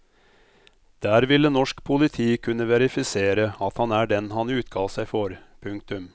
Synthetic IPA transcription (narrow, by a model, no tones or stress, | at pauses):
d̪̥æːɾʋɪlːənɔʂkpʰʊlɪt̪ʰiːkʰʉnːəʋɛɾɪfɪseːɾəɑt̪hɑnæːɖɛnɦɑnʉːt̪kʰɑːlsæɪfɔɾpʰʉŋk̚t̪ʉm